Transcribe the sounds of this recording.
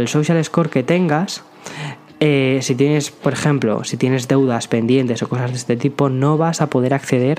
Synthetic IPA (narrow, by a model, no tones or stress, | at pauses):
elsowʃjale̞sko̞ɾke̞t̪e̞ŋɡas | esit̪je̞ne̞spo̞ɾe̞xẽ̞mplo̞̰sit̪jene̞zðe̞wðaspe̞nd̪je̞nt̪e̞so̞ko̞sazðe̞st̪e̞t̪ipo̞no̞β̞asapo̞ð̞e̞ɾakθe̞ð̞e̞ɾ